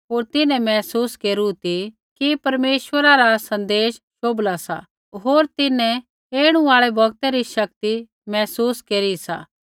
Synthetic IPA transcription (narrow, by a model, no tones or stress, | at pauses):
ɦoːɾt̪ɪnɛ̃mɛːsuːskeːɾut̪i | kipɐɾmeːʃʋəɾaɾasɐ̃nd̪eːʃ | ʃoːblasa̰ | ɦoːɾt̪ɪnɛ̃ | eːɽ̃ũaːɭebʱɐɡt̪ɛɾiʃɐk̚t̪i | mɛːsuːskeːɾisa̰ː